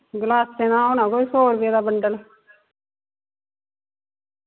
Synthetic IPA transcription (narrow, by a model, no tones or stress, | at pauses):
ɡlaːstenãːonãːkoisoːɾbed̪abəɳɖəl